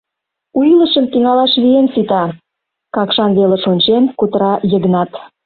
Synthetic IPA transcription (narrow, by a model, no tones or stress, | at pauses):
ujləʃəmt̪iŋɑlɑʃβiensit̪ɑ | kɑkʃɑnβeleʃonʲt͡ɕenkut̪əɾɑjəɣnɑt̪